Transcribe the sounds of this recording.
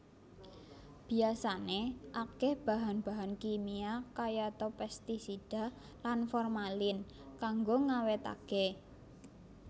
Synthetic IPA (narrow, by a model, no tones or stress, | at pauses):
b̥i̤asaneʔakɛhb̥a̤ɦanb̥aɦankimiakajat̪ɔpɛst̪isid̥a̤ | lanfɔrmalɪn | kaŋɡoŋawet̪a̰ɡ̥ɛ